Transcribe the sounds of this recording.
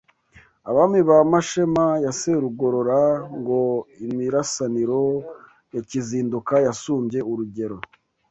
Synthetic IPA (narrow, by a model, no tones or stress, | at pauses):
aβamiβamaʃe̞majaseɾuɡo̞ɾo̞ɾaŋɡo̞imiɾasaniɾo̞ | jaciziːndukajasuːmbje̞uɾuɟe̞ɾo̞